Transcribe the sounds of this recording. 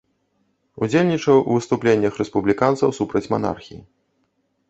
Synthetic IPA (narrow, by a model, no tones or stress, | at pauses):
ud͡zʲelʲnʲit͡ʂɐwʔuvɨst̪uplʲenʲːɐxɾɛspublʲikant̪sɐwsupɾɐt͡sʲma̰na̰rxʲii